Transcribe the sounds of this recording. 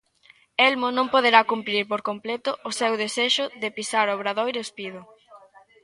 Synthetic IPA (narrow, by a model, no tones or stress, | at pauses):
elmonõmpoðeɾakumpɾiɾpoɾkomplet̪ʊʔːsewðeseʃʊðɪpisaɾoβɾaðojɾespiðʊ